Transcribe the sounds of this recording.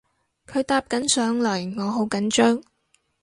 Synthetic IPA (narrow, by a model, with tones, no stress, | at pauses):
kʰɵ˨˧ɥt̪aː˧p̚kɐ˨˥nsœː˨˥ŋlɵ˨˩ɥŋɔː˨˧ɦo˨˥wkɐ˨˥nt͡ʃœː˥ŋ